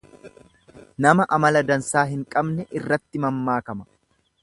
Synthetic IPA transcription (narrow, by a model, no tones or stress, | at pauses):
nɐmɐʔɐmɐlɐd̪ɐnsaːɦɪŋkʼɐbnɛʔɪrːɐt̪ːɪmɐmːaːkɐmɐ̥